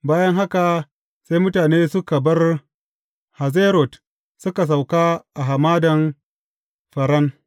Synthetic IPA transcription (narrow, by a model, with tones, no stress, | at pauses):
baː˦jɐ˦ŋɦa˦ka˨ | sa˦jmʊ˦taː˨neː˦sʊ˦ka˨bɐ˦r | ha˨ze˦ɾo˨t | sʊ˦ka˨s̬a˨wkaː˦ʔa˨ɦa˨maː˦dɐ˨n | ɸɐ˨ɾɐ˦n